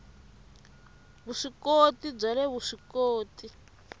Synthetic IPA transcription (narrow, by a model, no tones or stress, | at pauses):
βuʂikotib͡ʐalɛβuʂikoːti